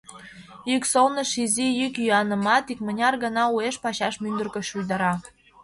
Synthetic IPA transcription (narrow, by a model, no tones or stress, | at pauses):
yksolnə̆ʃizijykjyɑnə̆mɑt̪ikmə̆nʲɑrɣə̆nɑueʃpɑɕɑʃmynd̪ərkə̆ʃujd̪ɑɾɑ